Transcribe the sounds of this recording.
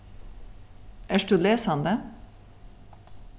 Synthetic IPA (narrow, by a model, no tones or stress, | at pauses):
æːʃʈuleːshɑnd̪eː